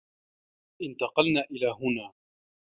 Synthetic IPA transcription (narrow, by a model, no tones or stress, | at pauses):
ʔɪnt̪ɑqɑlnaːʔɪlaːɦʊnaː